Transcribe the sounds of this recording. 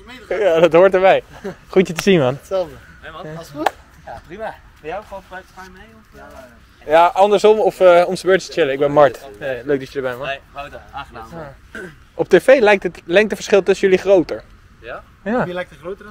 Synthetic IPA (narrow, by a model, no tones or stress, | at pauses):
jadɑtɦoːɹtəɹbɛjχutjətəzinmɑnsɛldə | jpi | jɔatamejɔ | jaːʔɑndəɹsɔmɔfəɔmsəbøːɹtəsə̥t͡ʃɪləɪɡbɛnmɑɹtløɥk̚dɑt͡ʃədəɹbɛnʋɔnaa | ʔɔp̚teːfejlɛjk̚tətlɛŋktəfəɹsχɪlˠtɵsənjɵliχrowtəɹ | jalɛjk̚ərotə